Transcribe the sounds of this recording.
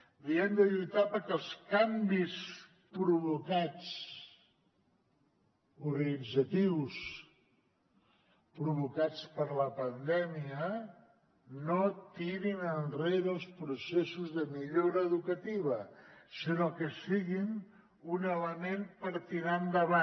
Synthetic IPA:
diɛmd̪əʎujt̪apəkəlˠskambis | pɾuβukat͡s | uɾɣənid͡zət̪iws | pɾuβukat͡spəɾləpənd̪ɛmiə | not̪iɾinənreðəlˠspɾusesuzðəmiʎoɾəːðukət̪iβəsinokəsiɣin | unələmenpəɾt̪iɾand̪əβa

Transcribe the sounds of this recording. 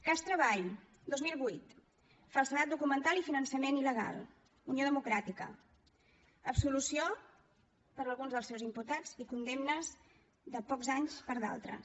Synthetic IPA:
kast̪ɾəβ̞aʎ | d̪ozmilˠβujt̪ | falˠsənat̪̚d̪ukumənt̪alifinənsəmeniləɣ̞a̰lˠ | unioðəmukɾat̪ikə̰ | əpsulusio | pəɾəlˠɣunzðəlˠsɛwzimput̪ad͡zikund̪emnəz | ðəpɔkzaɲspəɾða̰lˠt̪ɾə̰s

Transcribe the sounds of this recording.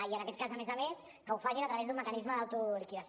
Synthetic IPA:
iənɐkɛt̪̚kazəmezəmes | kəufaʒinɐt̪ɾɐβezðuməkɐnizməðawt̪uɾikia

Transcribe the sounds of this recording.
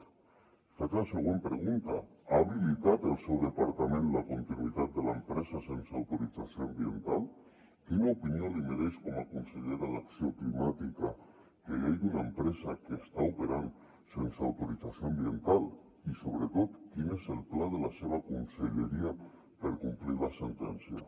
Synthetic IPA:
fat͡ʃaaseɣ̞wempɾeɣunt̪aaβilit̪at̪elˠsewðepaɾt̪amẽnlakunt̪inuwit̪at̪̚d̪elaempɾesasensawt̪uɾit͡sasjoambjent̪al | k̪inaupiniolimeɾeʃkomakunseʎeɾalaksioklimat̪ika | keejd̪unaempɾezakeːst̪aupeɾan | sensa̰wt̪uɾit͡sasjoambient̪al | isoβ̞ɾet̪ot̪kinezelplaðelaseβ̞akunseʎeɾia | peɾkumpliɾlasent̪ɛnsja̰

